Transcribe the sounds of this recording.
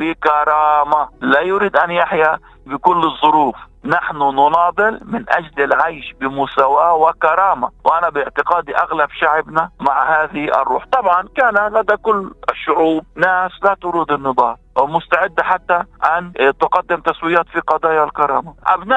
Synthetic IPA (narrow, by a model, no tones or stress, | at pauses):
bɪkɑɾˤɑːmalajʊɾiːd̪ʔanjaħja | bɪkʊlːɨzˤːʊɾuːf | naħnʊnʊnɑːd̪ˤɨlmɪnʔa̰d͡ʒlɪlʕajʃbɪmʊsawaːwɪkɑɾˤɑːmawʔanabɪʕt̪ɪqɑːd̪iʔaɣlabʃaʕbnamaʕhaːðɪʔɑ̰rˤːṵːħt̪ˤɑbʕɑnkaːnalad̪akʊlːʔɪʃːʊʕuːb̚naːslat̪ʊɾuːd̪ɪnːɨd̪ˤɑːɾwmʊst̪aʕɪd̪ːaħat̪ːaʔant̪ʊqɑd̪ːɪmt̪aswɪjaːt̪fiqɑd̪ˤɑːjalkɑɾˤɑːmaʔa̰bnaː